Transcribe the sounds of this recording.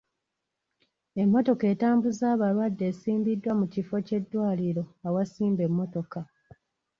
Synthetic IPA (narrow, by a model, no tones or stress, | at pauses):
e̞mːo̞to̞ke̞ːtaːmbuzaːβalwadːe̞ːsiːmbidːwamucifo̞ce̞dːwaːliɾo̞awasiːmbe̞mːo̞to̞ka